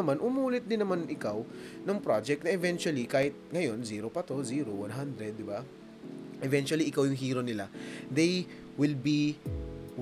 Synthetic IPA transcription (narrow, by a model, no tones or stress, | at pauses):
ɐmanʔʊmuːlɪt̪̚d̪ɪnːɐmanʔɪkawnɐŋpɾad͡ʒɛk̚t̪nɐʔɪvɛnt͡ʃʊwɐlikaːhɪt̪̚ŋɐjo̞nziːɾopɐt̪o̞ziːɾowanɦand̪ɾɛd̪̚ːɪba | ʔɛvɛnt͡ʃʊɐliʔɪkawjʊŋɦiːɾo̞nɪlad̪ej | wɪlbi